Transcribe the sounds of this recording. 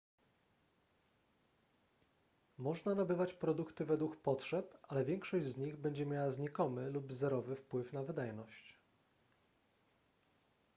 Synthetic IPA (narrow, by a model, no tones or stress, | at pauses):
mɔʐnanabɘvat͡ɕpɾɔd̪ukt̪ɘvɛd̪wukpɔtʂɛpʔalɛvʲjɛŋkʂɔʑd͡ʑzɲiɣbɛɲd͡ʑɛmʲjawazɲikɔmɘlubzɛɾɔvɘfpwɘfnavɘd̪ajnɔɕt͡ɕ